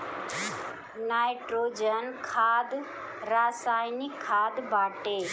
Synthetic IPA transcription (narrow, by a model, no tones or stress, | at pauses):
naːjʈɾoːd͡ʒənkʰaːd̪ | ɾaːsaːjnikʰːaːd̪baːʈe